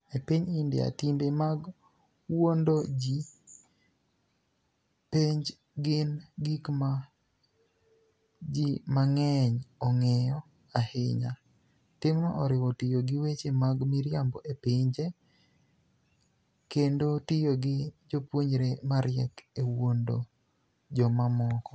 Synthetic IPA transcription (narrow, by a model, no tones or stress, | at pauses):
epiɲɪndɪa̰timbemaɡ | wondod͡ʒi | peɲd͡ʒ | ɡɪnɡikma | d͡ʒimaŋɛɲɔŋɛjɔ | ahɪ̰ɲa | tɪmnɔʔɔɾɪwɔtɪjoɡɪwet͡ʃemaɡmiɾjambɔʔepɪɲd͡ʒe | kendotɪjoɡɪd͡ʒopwoɲɾemaɾjɛkewondo̰ | d͡ʒɔmamɔkɔ